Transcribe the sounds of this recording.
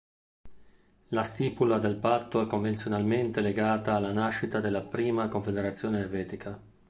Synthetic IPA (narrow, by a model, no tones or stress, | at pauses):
last̪iːpulad̪elpat̪ːoɛkːoɱvent̪sjonalment̪eleɡaːt̪aːlːanaʃːit̪ad̪elːapɾiːmakoɱfed̪eɾat̪sːjoːneervɛːt̪ikʰa